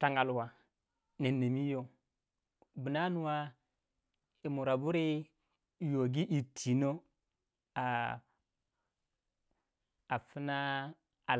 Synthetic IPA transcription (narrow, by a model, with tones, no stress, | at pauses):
ta˦ŋɡa˦˨lwa˨ | ne˨nːe˨mi˦jo˦ | bi˨na˦nu˦wa˦ | i˨mu˨ɾa˨bu˦ɾi˦˨ | jo˨ɡi˦ʔi˨tʰi˨no˦ | a˨ | a˨fi˦na˦ | a˨